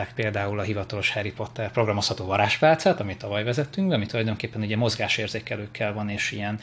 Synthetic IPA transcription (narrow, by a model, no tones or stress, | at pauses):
aːkpeːld̪aːulɒɦivɒt̪ɒlo̞ʃhɛɾipo̞t̪ːɛrpro̞ɡrɒmo̞shɒt̪oːvɒɾaːʃpaːt̪saːt̪ɒmit̪ɒvɒjvɛzɛt̪ːyŋɡbɛɒmit̪ulɒjd̪o̞ŋkeːpːɛnuɟɛmo̞zɡaːʃeːrzeːkɛløːkʰːɛlvɒneːʃijɛn